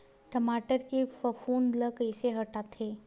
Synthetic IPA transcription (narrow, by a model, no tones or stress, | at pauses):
ʈəmaːʈəɾkefəfoːnləkɪseɦɐʈaːt̪ʰeː